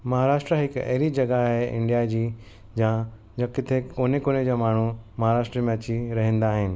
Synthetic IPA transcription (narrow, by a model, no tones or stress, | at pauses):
mɐɦaːɾaːʃʈɾəɦɪkɐ̰ɦɪɾid͡ʑɐɡaɦeɪ̰̃ɳɖijad͡ʑiː | jãː | d͡ʑãkɪt̪ʰekoːnekoːned͡ʑaːmaːɳ̤umɐɦaɾaːʃʈɾemẽɐt͡ɕiɾɐɦə̃nd̪aːɦɪnɪ̆